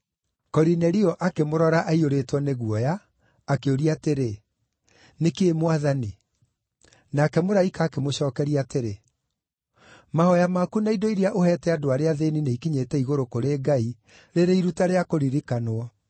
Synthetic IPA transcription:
kɔɾinɛɾiɔʔakemoɾɔɾaʔaioɾeːtwɔneɣuɔjaː | keoɾiateɾe | nekeːmwaðani | nakɛmoɾaikaːkemoɕɔːkɛɾiateɾe | mahɔjamakunaidɔiɾiaʔohɛtɛadoaɾeaðenineikiɲetɛiɣoɾokoɾeːɡai | ɾeɾeiɾutaɾeakoɾiɾikanoɔ

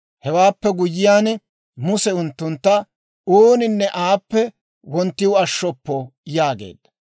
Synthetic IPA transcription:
hɛwaːpːɛɡʊjːɪjaːn | mʊsɛʊnt̪ːʊnt̪ːɐ | oːnɪnːɛʔaːpːɛ | wɔnt̪ːɪwɐʃːɔpːɔjaːɡḛːd̪̥ːɐ

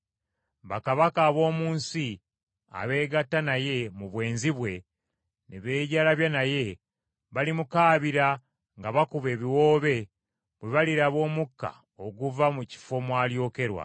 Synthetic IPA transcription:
βakaβakaːβo̞ːmuːnsi | a̰βe̞ːɡatːanaje̞muβwe̞ːnziβwe̞ | neβe̞ːɟalaβjanaje̞ | βalimukaːβiɾa | ŋɡaβakuβe̞ːβiwo̞ːβe̞ | βweβaliɾaβo̞ːmukːa̰ | o̞ɡuvamuci̥fo̞mwaːljo̞ːke̞ɾwa̰

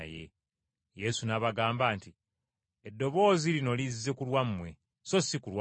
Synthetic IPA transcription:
je̞̰ | je̞sunaβaɡaːmbaːnti | edːo̞βo̞ːzilino̞lizːe̞kulwamːwe̞ | so̞sikulwa

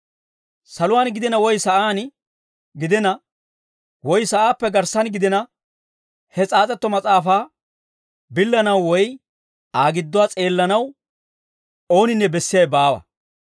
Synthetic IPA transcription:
sɐlʊwaːnɡɪd̪ɛnɐwɔjsɐʔaːn | ɡɪd̪ɛnɐ | wɔjsɐʔaːpːɛɡɐɾsɐnɡɪd̪ɛnɐ | hɛt͡sʼaːt͡sʼɛt̪ːɔmɐt͡sʼaːfaː | bɪlːɐnɐwːɔj | ʔaːɡɪd̪ːʊwaːt͡sʼe̞ːlːɐnɐw | o̞ːnɪnːɛbɛsːɪjɐjbaːwɐ̰

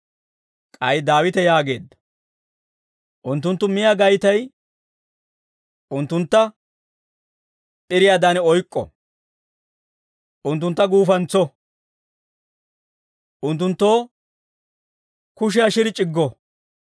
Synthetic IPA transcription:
kʼɐjd̪aːwɪt̪ɛjaːɡe̞̰ːd̪ːɐ̥ | ʔʊnt̪ːʊnt̪ːʊmɪjaɡɐjt̪ɐj | ʔʊnt̪ːʊnt̪ːɐ | ʔɪɾɪjaːd̪anɛɔjkʼːɔ̰ | ʔʊnt̪̬ːʊnt̪ːɐɡuːfɐnt͡sɔ | ʔʊnt̪ːʊnt̪ːo̞ː | kʊʃɪjaʃɪɾɪt͡ʃʼɪɡːɔ

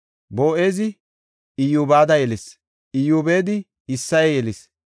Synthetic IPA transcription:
boːʔe̞ːzɪ | ɪjuːbaːd̪ɐjɛlɪs | ɪjuːbe̞ːd̪ɪ | ɪsːɐjɛjɛlɪs

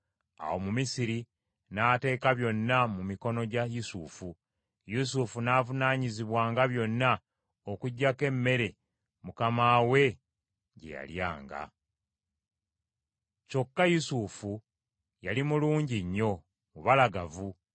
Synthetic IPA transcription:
a̰wo̞mumisiɾi | naːte̞ːkaβjo̞nːamumiko̞no̞ɟajusuːfu | jus̬ufunaːvunaːɲiziβwaːŋɡaβjo̞nːa | okuɟːake̞mːe̞ɾe̞ | mukamaːwe̞ | ɟe̞̰ja̰lja̰ːŋɡa̰ | co̞kːajusufu | jalimuluːɲɟiɲːo̞ | muβalaɡavu

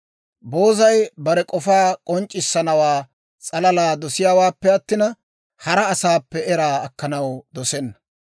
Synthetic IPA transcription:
bo̞ːzɐjbɐɾɛkʼɔfaːkʼɔnt͡ʃʼːɪsːɐnɐwaː | t͡sʼɐlɐlaːd̪ɔsɪjaːwaːpːɛɐt̪ːɪnɐ | hɐɾɐːsaːpːɛɛɾaːɐkːɐnɐwd̪ɔsɛnːɐ̥

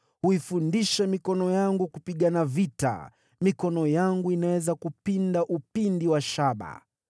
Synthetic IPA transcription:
huifundiʃamikɔnɔjaŋɡukupiɠanavita̰ | mikɔnɔjaŋɡuinawɛzakupindaʔupindiwaʃaɓa̰

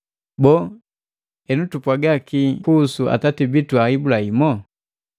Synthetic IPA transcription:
bɔ | ɛnutupwaɡakikusua̰tatibituaibulaimɔ

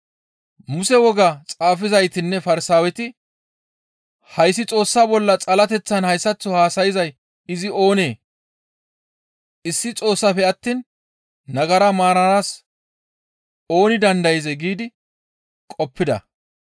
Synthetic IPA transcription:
mʊsɛwɔɡat͡sʼaːfɪzɐjt̪ɪnːɛfɐɾɪsaːwɛt̪ɪ | hɐjs̬ːɪt͡sʼo̞ːsːaːbɔlːɐt͡sʼɐlɐt̪ɛt͡sːɐnhɐjsːɐt͡sːɔhaːsɐjɪzɐj | ɪzɪo̞ːne̞ː | ɪsːɪt͡sʼo̞ːsːafɛɐt̪ːiːnː | ɐɡɐɾɐmaːɾɐnaːs | o̞ːnɪd̪ɐnd̪ɐjɪzɛɡiːd̪ɪ | kʼɔpːɪd̪ɐ̰

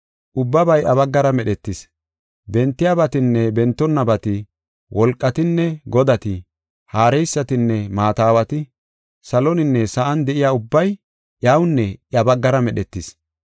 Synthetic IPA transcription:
ʔʊbːɐbɐjʔɐbɐɡːɐɾɐmɛɗɛt̪ːɪs | bɛnt̪ːɪjabɐt̪ɪnːɛbɛnt̪ːɔnːɐbɐt̪ɪ | wʔɔlkʼːɐt̪ɪnːɛɡɔd̪ɐt̪ɪ | haːɾɛjsːɐt̪ɪnːɛmaːt̪aːwɐt̪ɪ | sɐlɔnɪnːɛsɐʔɐnd̪ɛʔɪjaːʊbːɐj | ʔjɐwnːɛjɐbɐɡːɐɾɐmɛɗɛt̪ːɪs

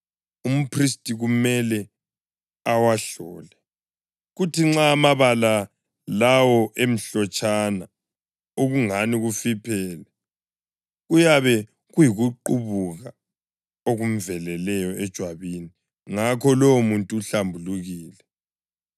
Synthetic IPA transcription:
um̩pʰristʼiɣumɛlɛ | awaɬɔ̰ːlɛ | ɣutiŋ͡ǁaːmaβala | lawɔʔem̩ɬɔt͡ʃʼana | oɣuŋaniɣufipʰɛːlɛ | ɣujaβɛ | ɣujiɣuǃuβuɣa | oɣum̩vɛlɛlɛjɔɛd̥ʒ̥ʱwaβini | ŋakʰɔlomuntʼuːɬambʱuluɣiːlɛ

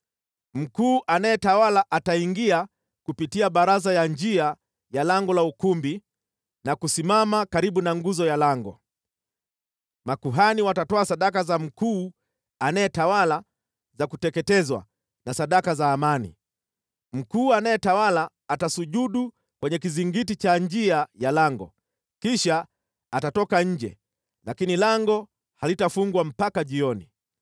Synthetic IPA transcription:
m̩kuːʔanajɛtawalaʔataiŋɡia | kupitiaɓaɾazajand͡ʒia | jalaŋɡɔlaukumbi | nakusimamakaɾiɓunaŋɡuzɔjalaŋɡɔ̰ | makuɦaniwatatɔasaɗakazam̩kuː | anajɛtawala | zakutɛkɛtɛzwa̰ | nasaɗakazaːmanḭ | m̩kuːanajɛtawalaːtasuʄuɗu | kwɛɲɛkiziŋɡit̬it͡ʃand͡ʒiajalaŋɡɔ̰ | kiʃaː | tatɔkaɲ̩d͡ʒɛ̰ | lakinilaŋɡɔ | halitafuŋɡwam̩pakaʄiɔnḭ

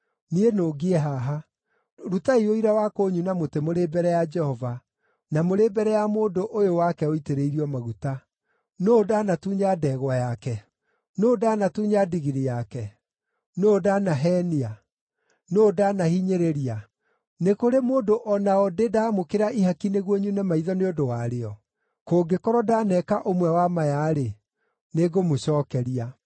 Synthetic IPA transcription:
nienoːɡeɛɦaɦa | ɾutaioiɾawakoɲunamotemoɾebɛɾɛjad͡ʒɛhɔva | namoɾebɛɾɛjamoːdoʔojowakɛoiteɾeiɾiɔmaɣuta | noːdanatuɲadɛɣwajakɛ | noːdanatuɲadiɣiɾijakɛ | noːdanaɦɛːnia | noːdanahiɲeɾeɾia | nekoɾemoːdoʔɔnaɔdedamokeɾaʔiɦakineɣwɔɲunamaiðɔneodowaɾeɔ | koːɡekɔɾɔdanɛkaʔomwɛwamajaɾe | neɡomoɕɔːkɛɾia

